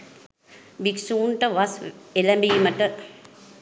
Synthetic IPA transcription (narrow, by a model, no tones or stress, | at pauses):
biksuːnʈəʋɐselɐmbiimɐʈə